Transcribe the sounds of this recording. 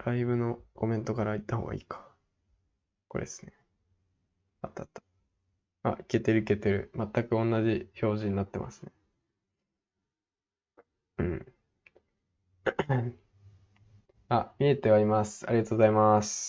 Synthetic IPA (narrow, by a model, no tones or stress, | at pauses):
ɾaibɯ̟no̞ko̞mẽ̞nt̪o̞kaɾait̪ːaho̞̰ːɡa̰ḭːkʰḁ | ko̞ɾḛsɨ̥ne̞ | at̪ːat̪ːḁ | a̰ike̞t̪e̞ɾɯ̟ike̞t̪e̞ɾɯ̟mat̪ːakɯ̟õ̞nːaʑiço̞ːʑiɲ̟inat̪ːemʔa̰sɨne̞ | ɯ̟̃ | amʲie̞t̪e̞βaimasɨ̥a̰ɾʲiɡat̪o̞ːɡozaimasɨ̥